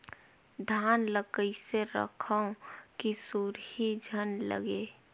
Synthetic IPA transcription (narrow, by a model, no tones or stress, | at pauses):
d̪ʱaːnləkəiseɾə̰kʰə̃kisuɾhid͡ʒʱənlə̰ɡeː